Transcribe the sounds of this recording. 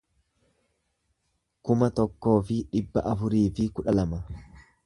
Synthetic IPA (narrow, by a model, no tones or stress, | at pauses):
kʊmɐt̪ɔkːo̞ːfɪᶑɪbːɐʔɐfʊɾiːfɪkʊᶑɐlɐmɐ